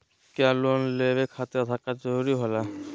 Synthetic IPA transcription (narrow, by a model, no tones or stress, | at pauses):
kjalonlebekʰat̪et̪ʰakad͡ʒɔɾuɾiɦola